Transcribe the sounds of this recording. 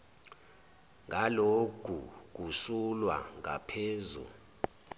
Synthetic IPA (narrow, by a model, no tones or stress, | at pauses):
ŋʱalokuk̬ʼusulwa̰ŋa̰pʰeːzṵ